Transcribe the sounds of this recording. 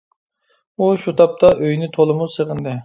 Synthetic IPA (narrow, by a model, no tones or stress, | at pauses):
uʃut̪ʰɑp̚t̪ʰɑʔøjnɪt̪ʰolˠɨmusəʁənd̪ɨ